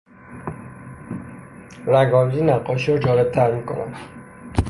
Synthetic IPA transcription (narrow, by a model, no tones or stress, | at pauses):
ɾæɡɒːmziːnæqːɒːʃiɾɒd͡ʒɒːle̞b̚t̪ʰæɾmiːkʰo̞̰næ̰n